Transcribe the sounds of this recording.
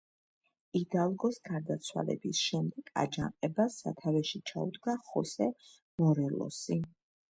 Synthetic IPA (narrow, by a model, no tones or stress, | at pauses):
id̪alˠɡɔsɡaɾd̪at̪sʰwa̰lɛ̰bisʃɛmd̪ɛɡ̥a̰d͡ʒaŋqʼɛbasa̰t̪ʰavɛʃit͡ʃʰaud̪ɡaχɔsɛ | mɔɾɛlɔ̰si